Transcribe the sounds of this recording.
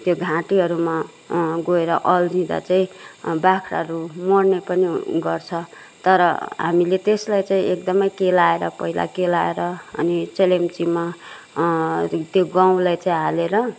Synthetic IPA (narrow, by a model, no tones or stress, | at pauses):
t̪joɡʱãʈiɦʌɾuma | ɡoeɾʌʔʌld͡zʱĩd̪a̰t͡saĩbakʰɾa̰ɦʌɾumoɽnepʌniɡʌrt͡sʰʌ | t̪ʌɾʌ̰ɦa̰milet̪eslajt͡sãĩʔek̚d̪ʌmʌjkelaeɾʌpʌila̰kelaeɾʌʌnit͡selemt͡sima | t̪joɡãw̃lajt͡saĩɦaleɾʌ